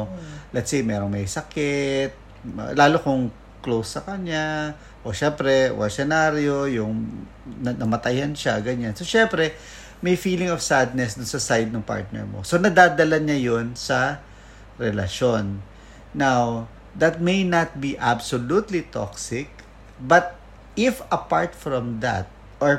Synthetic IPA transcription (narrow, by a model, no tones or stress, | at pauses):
lɛt̪sejmɛːɾoŋmɐjsɐkɪt̪̚ | laːlokʊŋ | klowsːɐkɐɲa | ʔo̰ʃɛmpɾɛwɐ̰sɛnaɾjojʊŋ | nɐnɐmɐt̪ɐjhɐnʃaɡɐɲansoʃɛmpɾɛ | mɐjfiːlɪŋov̥sad̪̚nɛsd̪ʊnsɐsajd̪̚nɐŋpa̰ɹt̪̚nɛ̰ɹmosonɐd̪aːd̪ɐlɐɲɐjonsɐ | ɾɛlɐ̰ʃonː | aw | d̪ɐt̪̚mejnɐt̪̚biʔabsolut̪lit̪o̰ksɪk̚ | bɐt̪̚ | ɪfɐpaɹt̪fɹɔmd̪ɐ̰t̪̚ | ʔoɹ